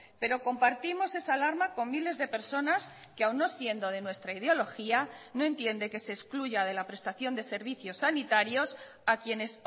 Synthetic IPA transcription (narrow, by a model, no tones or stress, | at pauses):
pe̞ɾo̞ko̞mpaɾt̪imo̞se̞salaɾmako̞mmile̞zðe̞pe̞ɾso̞nas | keawnːo̞sje̞nd̪o̞ðe̞nwe̞st̪ɾaið̞eo̞lo̞xiano̞e̞nt̪je̞nd̪e̞ke̞seːskluʝað̞e̞lapɾe̞st̪aθjo̞nd̪e̞se̞ɾβ̞iθjo̞sːanit̪aɾjo̞s | akje̞ne̞s